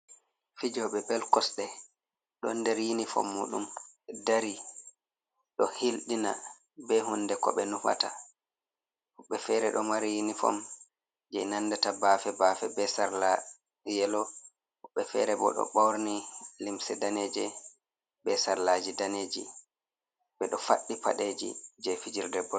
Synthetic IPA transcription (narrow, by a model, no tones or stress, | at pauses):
fid͡ʒɔɓɛbɛlkɔsɗɛ | ɗɔndɛɾjinifɔ̰mːṵːɗumdaɾi | ɗɔhilɗina̰ | bɛɦundɛkɔ̰ɓɛnufa̰ta̰ | huɓːɛfɛːɾɛɗɔmaɾijinifɔ̰m | d͡ʒɛjnanːdatabaːfɛbafɛbɛsaɾla | jɛlɔ | huɓːɛfɛɾɛbɔ̰ɗɔ̰ɓawɾnilimsɛdaned͡ʒɛ | bɛsaɾlad͡ʒidaneːd͡ʒḭ | ɓɛɗɔfaɗːipa̰ɗed͡ʒḭd͡ʒɛfid͡ʒiɾdɛbɔ